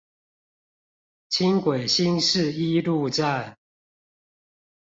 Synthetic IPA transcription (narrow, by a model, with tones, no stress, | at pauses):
t͡ɕʰi˦ŋkwe˨˩ɪɕi˦ŋʂɻ̩˥˨i˦lu˥˧t͡sa˥˨